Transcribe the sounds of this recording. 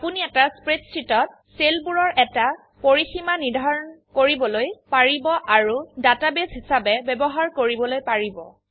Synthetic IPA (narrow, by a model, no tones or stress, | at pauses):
apuniɛtaspɹetsʰɹitɔt̚ | selbuɹɔɹʔɛta | poɹiximaniɹdʱaɹɔnkoɹibɔlojpaɹibɔʔaɹudatabesɦisabɛbɛbɔɦaɹkoɹibɔlojpaɹibɔ̰